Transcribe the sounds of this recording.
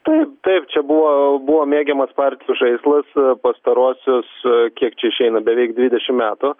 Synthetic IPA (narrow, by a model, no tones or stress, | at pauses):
t̪ɐɪp̚t̪ɐɪpt͡ʃʲɛbuʋoːbuʋoːmʲeːɡʲɛmɐspɑɾʲt̪ʲɪjuʒɐɪslˠɐspɐst̪ɐɾuɔsʲʊskʲiɛkt͡ʃʲɛɪʃʲɛɪnɐbʲɛʋʲɛɪk̚d̪ʲʋʲid̪ʲɛʃʲɪmmʲæːt̪ʊ